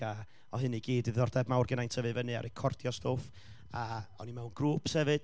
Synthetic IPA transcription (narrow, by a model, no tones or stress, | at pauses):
a | ɔɦɨniɡiːdɨðɔrdɛbmawrɡənajntʰəvɨvənɨa̰ɾɛkʰɔrd̥jɔstoːf | aɔ̰nimɛwnɡ̥ruːpʰsɛvɨd̥